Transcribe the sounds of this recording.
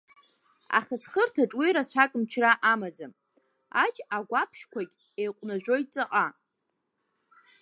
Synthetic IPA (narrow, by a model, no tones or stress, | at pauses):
a̰χət͡sʰχərtʰaʈ͡ʂʼwiɾat͡ɕʷʰakʼmt͡ʃʰraʔamad͡zam | a̰t͡ʃʼaɡʷapʰʃkʷʰakʲʼ | ejqʷʼnaʒᶣʷo̞jtʼt͡sʼaqʼa